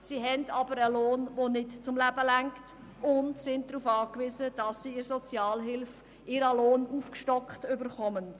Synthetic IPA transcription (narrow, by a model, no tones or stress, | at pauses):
siɦɛndɑbəɾəloːnvonɪtt͡sʊmlæbəlæŋkt | ʊndsɪnt̚d̥ɾuːfɑːkʋiːzəd̥ɑsːiɪɾsɔt͡sjɑːlɦɪlf | ɪɾəloːnuːfkʃtɔkχtʏbəɾχɔmən